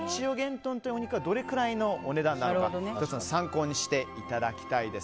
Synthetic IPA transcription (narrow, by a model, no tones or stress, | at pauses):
it͡ɕio̞ɡẽ̞nt̪õ̞nt̪ojioɲ̟ikɯβad̪o̞ɾe̞kɯ̟ɾaino̞ːne̞d̪ãnd̪aoɾɯaod̪ontot͡sɨnosãŋko̞ːɲ̟iɕi̥t̪e̞it̪ad̪akʲi̥t̪aid̪e̞s